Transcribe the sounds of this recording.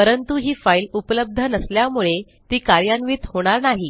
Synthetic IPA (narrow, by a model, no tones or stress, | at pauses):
pəɾənt̪uɦiːfailupləb̚d̪ʱənəsljamuɭe | t̪iːkaɾjanʋiːt̪hoɽ̃aɾnaɦi